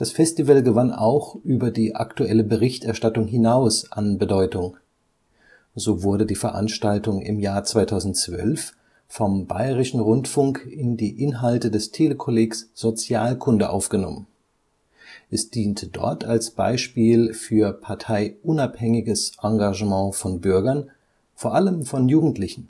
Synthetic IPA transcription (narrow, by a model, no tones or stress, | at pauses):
d̥asfɛstivəlɡəvana̰ʊxʔyːbɐdiːʔa̰ktuʔɛləbəʁɪçtʔɛɐʃtatʊŋɦɪnaʊsʔanbədɔʏtʊŋ | zoːvʊɐɾədiːfɛɐʔa̰nʃtaltʊŋɪ̰mjaːɐt͡sv̥aɪtʰaʊzn̩tt͡sv̥œ̰lf | fɔmba̰ɪʁɪʃn̩ʁʊntfʊŋkɪndiːʔɪnɦaltədɛstʰeːləkʰoleːksz̥ot͡sjaːlkʰʊndəʔa̰ʊfɡ̥ənɔ̰mən | ʔɛsd̥iːntʰəd̥ɔ̰ɐtʰalsb̥a̰ɪʃpiːlfyːɐpʰaɐtʰaɪʔʊnaphɛŋɪɡəsʔaŋɡaʒəmɑ̃ːfɔnbʏɐɡɐn | foːɐʔaləmfɔnjuːɡŋ̩tʰlɪçn̩